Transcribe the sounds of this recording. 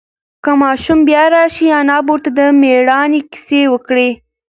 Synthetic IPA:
kəmɑʃumbjɑɾɑʃianɑboɾt̪ad̪əmeɽɑnekɪ̥sewəkɽe

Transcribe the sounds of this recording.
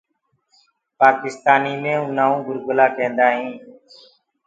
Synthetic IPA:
paːkɪst̪aːniːmẽːʊnãːũːɡʊɾɡʊlaːkẽːnd̪aːɦĩː

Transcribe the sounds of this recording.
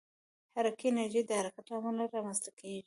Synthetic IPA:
haɾakiɪnaɾʒejd̪əhaɾakat̪lɑmalaɾɑmanzt̪akʰeʒi

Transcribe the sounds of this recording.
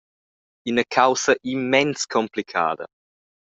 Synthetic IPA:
inəkʰawsəʔimːɛnskʰɔmplikʰa̰ːd̪ə̰

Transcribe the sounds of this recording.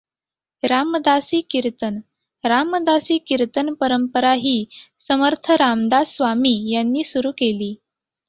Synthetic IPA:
ɾaməd̪asiːkiɾt̪ən | ɾamːəd̪asiːkiɾt̪ənpəɾəmpəɾaɦiːsəməɾt̪ʰəɾamd̪asʋamiːjanːiːsuɾuːkeliː

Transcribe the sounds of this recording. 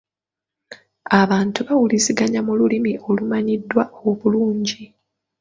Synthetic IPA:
aβaːntuβawuliziɡaɲamululimiʔo̞lumaɲidːwaoβuluːɲɟi

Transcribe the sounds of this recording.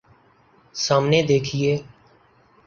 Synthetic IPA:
saːmneːd̪eːkʰieː

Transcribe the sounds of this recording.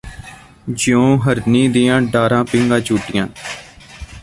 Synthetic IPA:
d͡ʒɪõːɦəɾniːd̪iːãːɖaːɾãːpɪ̃ːŋɡãːt͡ʃuːʈɪjãː

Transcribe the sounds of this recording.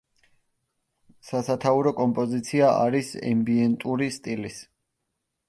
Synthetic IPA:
sasat̪ʰauɾɔkʼɔmpʼɔzit̪sʰiaʔa̰ɾisɛ̰mbiɛnt̪ʼuɾist̪ʼilis

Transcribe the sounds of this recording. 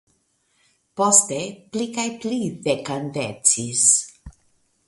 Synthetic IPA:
post̪eplikajplidekand̪et͡sis

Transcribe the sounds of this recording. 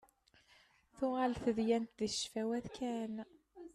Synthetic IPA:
θʊʁælθəðjænt̪ðiʃfæwæðkæn

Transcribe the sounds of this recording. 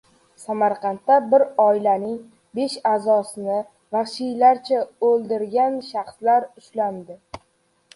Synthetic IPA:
samaɾqʰɑnt̪ːabɪɾɒɪlanɪŋ | be̞ʃazɒsɪnɪ | vaχʃijlaɾt͡ʃʰaolˠd̪ɪɾɡʲanʃɑχslaɾʊʃland̪ɪ

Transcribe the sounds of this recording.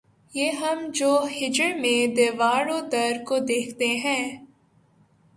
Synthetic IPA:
jeːɦɐmd͡ʒoːhɪd͡ʒəɽmẽd̪eːʋaːɽõd̪ɐɾkod̪eːkʰt̪eɦɛ̃ː

